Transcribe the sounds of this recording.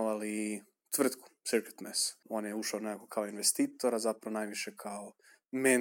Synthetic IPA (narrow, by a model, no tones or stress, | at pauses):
ʋali | t̪ʋr̩t̪ku̥siɾke̥t̪meso̞njeuʃaonekakokʰaoinʋest̪iːt̪o̞ɾazapɾaʋonajʋiʃekʰao | me